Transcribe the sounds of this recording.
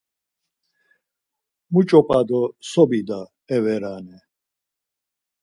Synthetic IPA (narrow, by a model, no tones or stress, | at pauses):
mut͡ʃʼɔpʼad̪ɔsɔbid̪a | ɛvɛɾaːnɛ